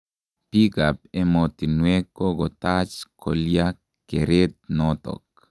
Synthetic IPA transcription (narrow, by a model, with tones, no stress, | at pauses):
pika˨p̚e˦mɔ˨t̪i˨nwe˦kːo˦ɡɔ˨t̪at͡ʃkʰolja | keɾe˦t̪̚nɔt̪ɔ̰k